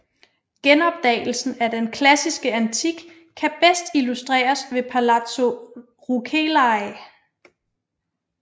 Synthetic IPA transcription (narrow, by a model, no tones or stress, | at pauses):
ɡ̥enɒ̽b̥̚d̥ɛ̰ɪl̩sn̩æɐd̥enkʰlæsisɡ̥əænt͡sʰiɡ̥ | kʰːæb̥esd̥ilusd̥ʁɛ̰ːɐsʋe̝pʰælæt͡sʰo̝ | ʁukʰelɑɪ